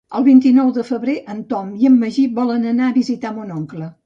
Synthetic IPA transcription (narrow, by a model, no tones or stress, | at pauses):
əlˠβint̪inɔwðəfəβɾeʔənt̪ɔmiəmːəʒibɔlənənaəβizit̪amunɔŋklə